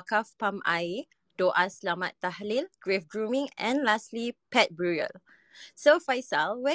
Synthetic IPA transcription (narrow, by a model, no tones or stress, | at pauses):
kafpãma̰j | d̥oʔaslamat̪ːahlilɡ̥ɹefɡɹũmĩŋɛ̰̃nlaslipɛt̚bɹuɹə̰l | sofajsalwɛ